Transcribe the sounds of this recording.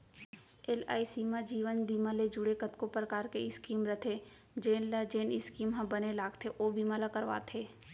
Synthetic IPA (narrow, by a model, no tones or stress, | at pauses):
ela̰ːisiːmãd͡ʒiːʋənd̪iːmaled͡ʒʊɽekət̪kopɾəkaːɾkeɪskiːmɾət̪ʰe | d͡ʒeːnld͡ʒeːnɪskiːmɦɐ̃bənelaːɡt̪ʰeʔoːbimalakəɾʋa̰ːt̪ʰeː